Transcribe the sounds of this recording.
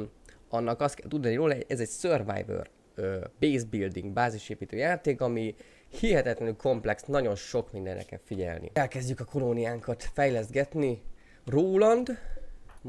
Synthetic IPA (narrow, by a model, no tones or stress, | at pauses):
ɒnːɒkɒst̪kɛ̰lt̪ud̪ɑniɾoːlɛʔɛzɛcsørva̰jvø̰r | øbeːzbild̪iŋɡbaːziʃeːpiːt̪øːjaːt̪eːkɒmi | hiɦɛt̪ɛt̪lɛnylkʰo̞mplɛksnɒɟo̞nʃo̞kmind̪ɛnrɛ̰kɛ̰lfiɟɛ̰lnḭɛlkɛzɟykɒkʰo̞lonijaːŋkɒt̪fɛjlɛzɡɛt̪ni | roːlɒnd̪